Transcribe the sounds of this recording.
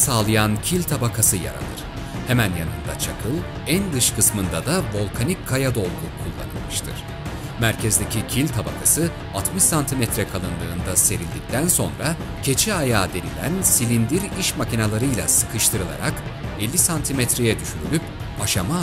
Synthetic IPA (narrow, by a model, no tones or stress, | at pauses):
saːlˠɯjancʰilʲt̪ʰabakʰasɯja̰ɾa̰lˠɯ̰ɾ̥ | hɛmænjanɯnd̪a̰t͡ʃʰakʰɯlˠ | ænd̪ɯʃkʰɯsmɯnd̪ad̪avo̞lˠkʰanickʰːajad̪o̞lˠɡʰukʰulˠːa̰nɯ̰lˠmɯʃt̪ʰɯ̰ɾ̥ | mæɾcʰɛzd̪ecʰicʰilʲt̪ʰabakʰasɯ | at̪mɯʃsant̪ʰimɛt̪ʰɾɛkʰalˠɯnd̪ˠɯːnd̪ase̞ɾilʲd̪ic̚t̪ʰænso̞nɾa | cʰe̞t͡ʃʰiajaːd̪e̞nilʲænsilʲind̪iɾiʃmacinalˠaɾɯjlˠa̰sɯkʰɯʃt̪ʰɯɾɯlˠa̰ɾa̰kɛlʲːisant̪ʰimɛt̪ɾejɛd̪yʃyɾylʲyp | aʃama